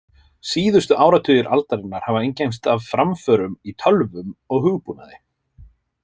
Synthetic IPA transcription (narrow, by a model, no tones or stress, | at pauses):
siːðʏst̪ʏʔaːwɾat̪ʰʏːjɪɾʔa̰lt̪aɾɪnːaɾ̥havaejɲcajnst̪avfɾamfœːɾʏmit̪ʰœlvʏmɔɣhʏɣpuna̰ðɪ